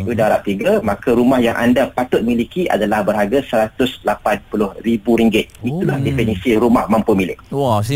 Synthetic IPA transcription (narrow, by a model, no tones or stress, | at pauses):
udaɾap̚t̪iɡəmakaɾumahjaŋʔa̰ndapat̪ʊt̪̚milikiʔa̰dalahbərɦaɡasəɾat̪ʊslapanpulʊhɾibuɾiŋɡɪt̪̚it̪ulahdefɛnisiɾumahmãmpumilɪk̚